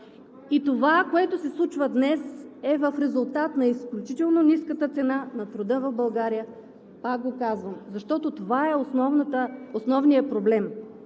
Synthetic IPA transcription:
it̪ovakoɛt̪osɛslˠut͡ʃvəd̪nɛsɛvɐfɾɛzulˠt̪at̪nɐisklʲut͡ʃit̪ɛlˠnoniskət̪ət̪sɛnanɐt̪ɾod̪ɤvɐvbɐlˠɡaɾijə | pak̚ɡokazvəmzɐʃt̪ɔt̪ot̪ovaɛonɔvnt̪əosnɔvnijəpɾoblɛm

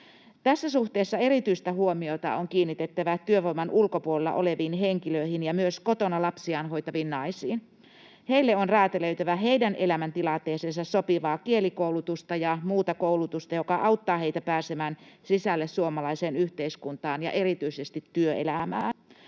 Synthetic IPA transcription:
t̪æsːæsuht̪eːsːɑe̞ɾit̪yist̪æhuomiot̪ɑ̰oŋkiːnːit̪et̪ːæʋæt̪yøʋoimɑnʔulkopuolelːɑ̰ʔoleʋiːnɦeŋkiløihinjɑmyøskot̪onɑlɑpsiɑːnɦo̞jt̪ɑʋinnɑisiːn | heilːeonræːt̪eløyt̪æʋæɦe̞idænʔe̞læmænt̪ilɑnt̪ˑeːsensɑssopiʋɑːkielikoulut̪ust̪ɑjɑmuːt̪ɑkoulut̪ust̪ɑjokɑʔɑwt̪ːɑːɦeit̪æpæːsemæːnsisælːessuomɑlɑiseːnyht̪eiskunt̪ɑːnjɑ̰ʔeɾit̪yisest̪it̪ːyøḛlæmæː

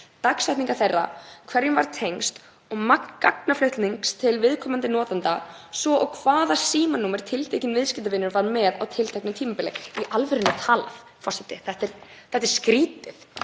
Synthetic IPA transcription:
t̪aksvajht̪niŋkḁθejrːa̰kʰvɛɾjɪnva̰ɾ̥t̪ʰejŋst̪ | ɔɣmakkːa̰knaflʏht̪niŋkst̪ʰɪlvɪðkʰɔːmant̪ɪnɔːt̪ant̪a | svɔʔɔɣkʰvaːðasiːmanːuːmɪɾ̥t̪ʰɪlt̪ʰejcɪnvɪðscɪt̪avɪnːʏɾvaɾmɛðawt̪ʰɪlt̪ʰɛjknʏmt̪ʰiːmapɪlɛ̰iʔalvɪɾɪnat̪ʰaːla̰θ | fɔr̥sɪt̪ːɪθɛht̪ɛɾ̥θɛht̪ɛɾ̥skɾiːt̪ɪθ

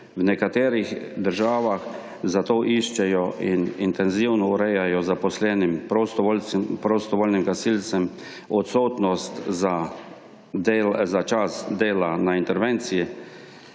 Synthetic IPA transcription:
wnɛkat̪eːɾixd̪əɾʒaːʋax | zat̪oːʔiʃt͡ʃɛjɔʔinint̪ɛnziwnɔuɾɛjajɔzapɔslɛːnimpɾost̪ɔʋolpɾost̪ɔʋoːlnimkasilt̪sɛm | ɔt̪soːt̪nɔst̪za | zat͡ʃasd̪eːlanaint̪ɛɾʋent̪siji

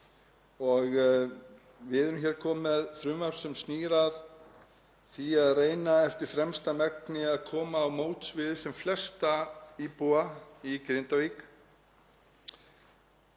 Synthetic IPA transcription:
ɔɣ | vɪðʏmçɛːɾ̥kʰɔːmɛðfɾʏmaɾ̥sɛmsniːɾað | θiaðreːjnaɛft̪ɪɾ̥fɾɛmst̪amɛk̚nɪaðkʰɔːmaːwmoːwt̪svɪðsɛmflɛst̪aiːpuaikɾɪnt̪avik

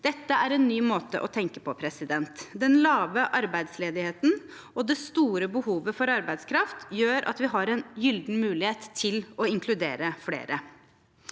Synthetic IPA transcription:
d̪̥ɛt̪ːəæɾɛnːyːmoːt̪ə̰ʔɔt̪ʰɛŋkəpʰɔpʰɾɛsɪd̪ɛnt̪d̪ɛnlɑːʋəʔɑɾbæɪd̪sleːd̪ɪheːt̪n̩ | ɔd̪ɛst̪uːɾəbəhuːʋəfɔɾɑɾbæɪd̪skʰɾɑft̪jøːɾʔɑ̰t̪ʋɪɦɑɾɛnjʏld̪n̩mʉːlɪheːt̪ʰːɪlɔɪŋkʰlʉd̪eːɾəflḛːɾə

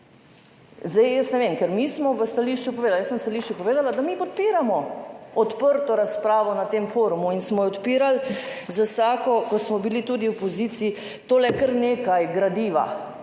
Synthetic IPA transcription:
zd̪ɛjjəstnɛʋemkɛɾmismɔʋəst̪aliʃt͡ʃupɔʋeːd̪aljəsənwst̪aliʃt͡ʃupɔʋeːd̪alad̪amipɔt̪̚piːɾamɔɔt̪pəɾt̪ɔɾaspɾaːʋɔnat̪emfoɾumuinsmɔjɛɔt̪piːɾalzasaːkɔkɔsmɔbilit̪uːd̪iwpɔzit̪siː | t̪oːlɛkəɾneːkajɡɾad̪iːʋa̰

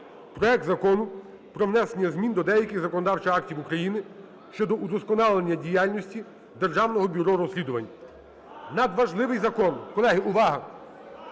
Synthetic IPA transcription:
pɾɔɛk̚t̪zɐkɔnʊ | pɾɔʋnɛsenʲɐzmʲind̪ɔd̪ɛjɐkʲɪɣzɐkɔnɔd̪ɑwt͡ʃɐɑk̚tʲiwukɾɐjinɪ | ʃt͡ʃɔd̪ɔʔud̪ɔskɔnɑlˠenʲːɐdʲijɑlʲnʲɔsʲtʲi | d̪erʒɑwnɔɦɔbʲʊɾɔɾɔsʲlʲid̪ʊʋɐnʲːɐ | nɐd̪ʋɐʒlˠɪʋɪjzɐkɔnkɔlˠɛɦɪʊʋɑɦɐ

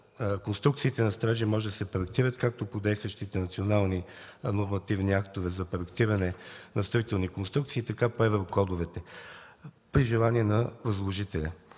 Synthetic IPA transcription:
konst̪ɾuktsiːt̪ɛnɐst̪ɾaʒimɔʒɛd̪ɐsɛpɾoɛk̚t̪iɾət̪kak̚t̪opod̪ɛjst̪vəʃt̪it̪ɛnɐt̪sionalˠni | noɾmɐt̪ivniak̚t̪ovɛzɐpɾoɛkt̪iɾɐnɛnɐst̪ɐvit̪ɛlˠnikonst̪ɾuk̚t̪siːt̪ɐkapoɛvɛɾokɔd̪ovɛt̪ɛ | pɾiʒɛlˠaniɛnɐvɐzlˠoʒit̪ɛlʲɐ

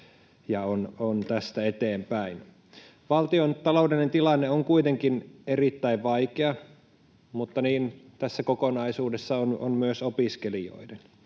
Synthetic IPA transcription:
jɑonont̪æst̪æet̪eːmpæin | ʋɑlt̪iont̪ɑloudenent̪ilɑnːeoŋkuit̪eŋkinerit̪ːæiʋʋɑikeɑ | mut̪ːɑniːnt̪æsːækokonɑisuːdesːɑono̰nmyøsopiskelio̰iden

